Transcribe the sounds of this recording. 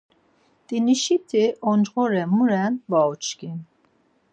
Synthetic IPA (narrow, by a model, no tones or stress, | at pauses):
d̪̥ʼiniʃit̪ʰiʔɔnd͡ʒʁɔɾɛmuɾɛnvaɔt͡ʃɡin